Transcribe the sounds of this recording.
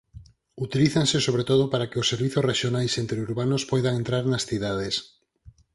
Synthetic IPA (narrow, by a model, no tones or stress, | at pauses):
ut̪iliθaŋsɪsoβ̞ɾet̪oðʊpaɾakɪʊsːeɾβiθosreʃjonajsent̪ɾeuɾβanʊspojðaŋẽnt̪ɾaɾnasθiðað̞es